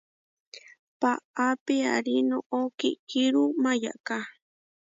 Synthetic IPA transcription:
paapea̰ɾinoʔokiʔkiɾumaja̰ʔka

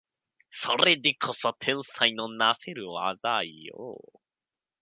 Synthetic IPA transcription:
soɾed̪ekʰosot̪ʰẽ̞ɰ̃sainonase̞ɾɯ̟βa̰d̪aijo̰

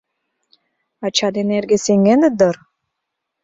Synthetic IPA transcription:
ɑt͡ɕɑd̪eneɾɡeseŋɡenəd̪ɤɾ

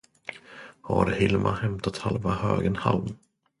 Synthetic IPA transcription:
haɾhɪlmʔahɛmt̪at̪halvahøːɡənhalm

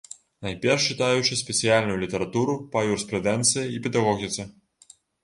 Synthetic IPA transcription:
najpʲɛrʂt͡ʃɨt̪ajut͡ʃɪsʲpʲɛsʲijalʲnʊjulʲit̪ɛɾat̪uɾupajurspɾɛd̪ɛnt̪sɨjɐipʲɛd̪aɣɔɣʲit̪sɨ

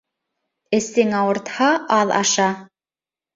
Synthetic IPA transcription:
ɘ̆sɘŋɑwɤ̆ɾt̪hɑʔɑðˠɑ̰ʃɑ

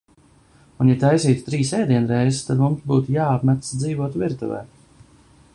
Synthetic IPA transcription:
unjɛt̪ajsiːt̪u̥t̪ɾiːsɛjd̪iɛnɾɛjzt̪ad̪mumsbuːt̪ujaːapmæt̪sd̪ziːvuɔt̪viɾt̪ṵvɛ̰ː

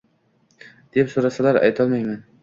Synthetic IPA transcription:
d̪̥e̞psoɾasalaɾa̰jt̪ʰɒlˠmajman

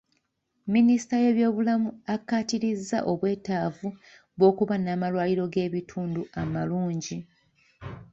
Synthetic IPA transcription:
minisi̥taje̞ːβjo̞ːβulamuakːaːtiɾizːa̰ʔo̞βwe̞ːtaːvu | βo̞ːkuβanaːmalwaːliɾo̞ɡe̞ːβitʰuːnduʔamaluːɲɟi

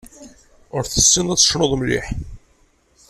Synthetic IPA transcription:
ʊɾθəsːind̪æːə̥ʃnoðˤmlḭħ

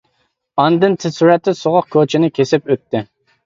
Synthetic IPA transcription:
ɑnd̪ɨnt̪ʰɪsuɾɛt̪ːɪsoʁɑq̚kʲʰot͡ʃʰɪnɪkʲʰesɪpøt̪ʰːɪ

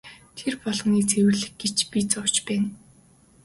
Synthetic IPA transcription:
t̪ʰerpɔɮʁ̆niːt͡sʰewɘ̆ɮɘ̆xɡet͡ɕpit͡sʊw̥t͡ɕpæːn

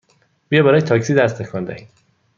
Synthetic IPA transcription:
b̥ijɒːbæɾɒːjet̪ʰɒːksiːd̪æst̪ʰekʰɒnd̪æ̰

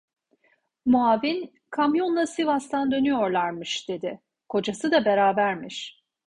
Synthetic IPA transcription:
muavin | kʰamjo̞nlˠasivast̪ʰand̪ø̞nyjo̞ɾlˠaɾmɯʃd̪̥e̞d̪ɪ | kʰo̞d͡ʒasɯd̪abe̞ɾaːbæɾmiʃ

